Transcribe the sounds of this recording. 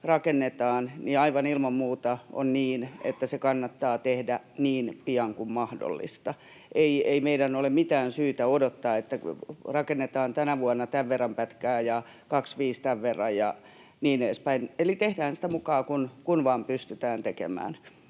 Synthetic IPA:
rɑkenːet̪ɑːnniɑiʋɑnilmɑmmuːt̪ɑo̰nniːnḛt̪ːæsekɑnːɑt̪ːɑːt̪ehdæniːnpiɑŋkummɑhdo̰lːḭst̪ɑ | ʔeieimeidænolemmit̪æːnsyːt̪æodot̪ːɑːet̪ːærɑkenːet̪ɑːnt̪ænæʋuɑnːɑt̪æʋʋerːɑmpæt̪kæːjɑ | kɑksʋiːst̪æʋʋerːɑjjɑ | niːneːspæinelit̪ehdæːnsi̥t̪æmukɑːkunkunʋɑːmpyst̪yt̪æːnt̪ekḛmæ̰ːn

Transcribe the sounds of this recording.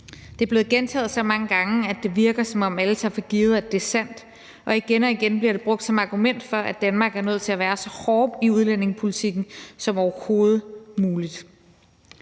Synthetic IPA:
d̥e̝æɐb̥le̝ːð̩ˠɡ̥ent͡sʰɛ̰ːð̞̩ˠsɒ̽mɑ̈ŋəɡ̥ɑ̈ŋəæd̥e̝ʋiɐɡ̥ɐsɒ̽mɒ̽mæləsʰɑ̈ɐfɒɡ̥iːð̞̩ˠæd̥e̝sæn̰d̥ | ʔɒ̽iɡ̥enɒ̽iɡ̥enb̥liɐɾ̥e̝b̥ʁɔ̽ɡ̥̚d̥sɒ̽mɑ̈ɡ̥umen̰d̥fɒ̽ʔæ̥d̥ænmɑ̈ːɡ̥æɐnøð̞̰ˠt͡sʰe̝læʋæːɐsɒ̽hɒːb̥iuð̞ˠlen̰e̝ŋpʰo̝lit͡sʰiɡ̥n̩sɒ̽mɒʊɐho̝ːð̞̩ˠmuːlid̥

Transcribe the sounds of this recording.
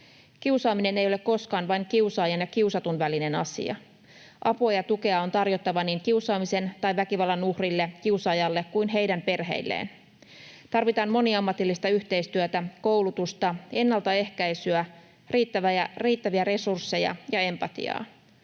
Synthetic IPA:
k̟iuwsɑːmine̞ne̞jo̞lekko̞skɑːnʋɑjŋk̟iusɑːjɑnjɑkiuwsɑt̪unʋæline̞nɑ̰sḭɑ̰ | ʔɑpojɑt̪uke̞ɑo̞nt̪ɑrjo̞t̪ːɑʋɑniːŋkiusɑːmise̞nt̪ɑjʋækiʋɑlːɑnuhrilːekiusɑːjɑlːe̞kkujnɦejdæmpe̞rɦe̞̰jlːḛːn | t̪ɑrʋit̪ɑːnmo̞niɑmːɑt̪ilːist̪ɑyht̪e̞ijst̪yøt̪æko̞wlut̪ust̪ɑe̞nːɑlt̪ɑe̞hkæjsyæ | riːt̪ːæʋæjɑriːt̪ːæʋiæɾe̞sursːe̞jɑ̰jɑe̞mpɑt̪ḭɑ̰ː

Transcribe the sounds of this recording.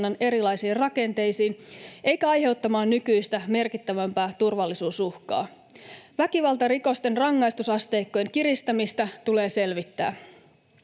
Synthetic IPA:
nːɑne̞ɾilɑjsiːrrɑke̞nt̪e̞jsiːne̞jkæɑjɦe̞wt̪ːɑmɑːnːykyjst̪æme̞rkit̪ːæʋæmpæːt̪urʋɑlːisuːsuhkɑ̰ː | ʋækiʋɑlt̪ɑriko̞st̪e̞nrɑŋːɑjst̪usɑst̪e̞jkːo̞jeŋkirist̪ɑmist̪ɑt̪ule̞ːse̞lʋit̪ːæ̰ː

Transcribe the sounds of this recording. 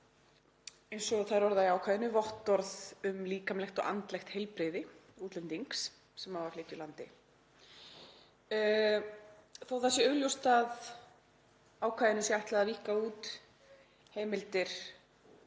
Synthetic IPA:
ejnsɔθaðɾvɔɾðaiaːwkʰajðɪnʏvɔht̪ːɔɾðʏmliːkamlɛxt̪ɔ̰ɣa̰nt̪lɛxt̪hɛjlpɾɪðɪuːt̪lɛnt̪iŋks | sɛmhavaɾ̥lɪːht̪ʏlant̪ɪ̰ | θawθasɪœljowst̪að | aːwkʰvajðɪnʏsjɛajht̪laðaðviːhkauːt̪ | heːjmɪlt̪ɪɾ̥

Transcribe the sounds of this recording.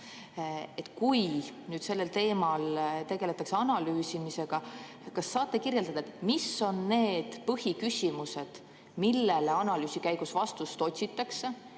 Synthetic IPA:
e̞t̪ːˑkujnyːd̪̥se̞lːe̞lt̪e̞ːmɑlt̪e̞ɡ̥e̞le̞t̪ːˑɑkseɑnɑlyːsimise̞ɡ̥ɑ | kɑsːɑːt̪ːˑekirjeld̪̥ɑd̪̥ɑet̪miso̞nːe̞ːd̪̥pɤhikysʲimuse̞d̪̥ | milːeleɑnɑlyːsikæjɡ̥usvɑst̪ust̪o̞t̪ʲsit̪ːˑɑkse

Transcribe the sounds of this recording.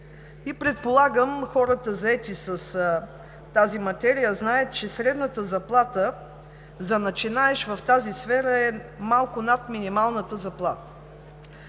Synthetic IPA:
ipɾɛt̪̚polˠaɡəmxɔɾət̪əzɐɛt̪isəs | t̪azimɐt̪ɛɾijəznaət̪̚t͡ʃɛsɾɛd̪nət̪əzɐplˠat̪ə | zɐnɐt͡ʃinaɛʃvɐft̪azisfɛɾəɛmalˠkʊnat̪minimalˠnət̪əzɐplˠa̰t̪ə̥

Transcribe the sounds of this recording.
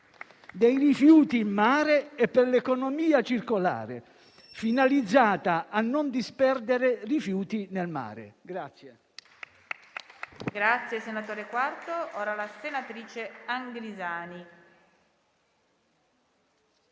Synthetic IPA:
d̪ejrifjuːt̪iːmːaːɾeɛpːerlekonomiːat͡ʃirkola̰ːɾḛ | finalid̪zːaːt̪aʔːnːond̪ispɛrd̪eɾerifjuːt̪inelma̰ːɾḛɡɾat̪sːje | ɡɾat̪sːjesenat̪oːɾekwart̪oɔːɾalasenat̪ɾiːt͡ʃeaŋɡlizaːni

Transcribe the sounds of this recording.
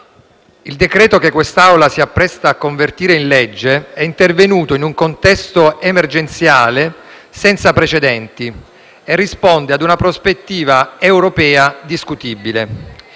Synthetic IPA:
ild̪ekɾɛːt̪okekːwest̪awlasiapːɾɛst̪aːkːoɱvert̪iːɾeinled͡ʒːeɛint̪ervenuːt̪oinuŋkont̪ɛst̪oemerd͡ʒent̪sjaːle | sɛnt̪sapɾet͡ʃed̪ɛnt̪i | erːispond̪ead̪unapɾospet̪ːiːvaewɾopɛːad̪iskut̪ibile

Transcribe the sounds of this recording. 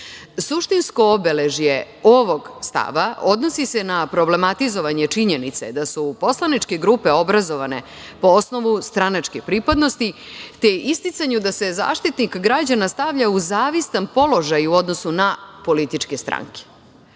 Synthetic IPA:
suʃt̪insko̞obe̞leʒje | o̞ʋo̞ɡst̪a̰ʋao̞d̪no̞sise̞napɾo̞ble̞mat̪izo̞ʋaɲet͡ʂiɲe̞nit̪se̞d̪asupo̞slˠanit͡ʃke̞ɡɾuːpe̞o̞bɾazo̞ʋane̞̰ | po̞osno̞ʋust̪ɾanat͡ʂkepɾiːpad̪no̞st̪it̪eist̪it̪saɲud̪ase̞za̰ːʃt̪it̪nikɡɾad͡ʑanast̪aʋʎauzaːʋist̪anpo̞lo̞ʒajuo̞d̪nosunapo̞lit̪it͡ʃke̞st̪ɾa̰ŋke̥

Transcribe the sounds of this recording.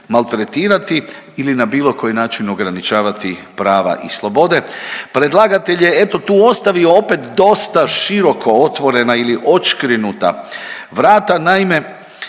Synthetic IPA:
malˠt̪ɾet̪iːɾat̪iilinabiːlo̞ko̞jinaːt͡ʃino̞ɡɾanit͡ʃaːʋat̪ipɾaːʋa̰ʔḭslˠo̞bo̞d̪e̞pɾe̞d̪lˠaɡat̪e̞ʎe̞e̞t̪o̞t̪uːo̞st̪aʋioope̞t̪d̪o̞st̪aʃiɾo̞kʰo̞o̞t̪ʋo̞ɾe̞nailiʔo̞t͡ʃkɾinut̪a̰ʋɾaːt̪anaime̞

